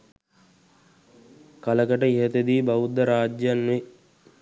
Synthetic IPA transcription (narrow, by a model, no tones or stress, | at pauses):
kaləkəʈəiɦət̪ed̪iːbaʋud̪ːəɾaːd͡ʒjanːʋe